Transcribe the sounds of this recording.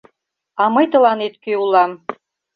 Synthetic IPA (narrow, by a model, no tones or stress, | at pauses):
ɑmɤjt̪ə̆lɑnet̪køulɑm